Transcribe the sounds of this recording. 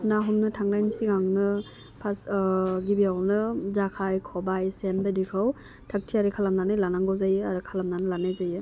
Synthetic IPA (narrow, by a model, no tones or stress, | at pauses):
naɦɔmnɯtʰaŋdajnisiɡaŋnɯ | pʰasɡibiawnɯzakʰajkʰɔbajsenbedikʰɯw | tʰak̚tʰiaɾikʰalamlanajlanaŋɡɔwzajɯaɾɯkʰalamnanɯlanajzajɯ